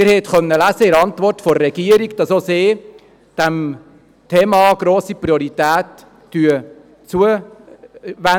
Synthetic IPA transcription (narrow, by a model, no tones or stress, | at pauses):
ɪɾhɛt̪χœnːəlæsəɪɾɑntʋɔrtfɔɾɾɛɡ̥iəɾiɡd̥ɑsoseː | d̥æm | t̪ʰeːmɑɡɾoːsipɾioɾit̪æːtː | yə | t͡suə | ʋæ